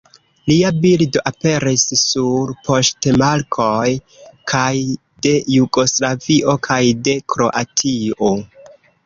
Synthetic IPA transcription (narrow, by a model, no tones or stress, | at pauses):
liabildo̞ʔape̞ɾisːuɾpʰo̞stemalkʰo̞j | kʰaj | de̞juɡo̞slaviʔo̞kʰajde̞kʰɾo̞̰ʔatʰio̞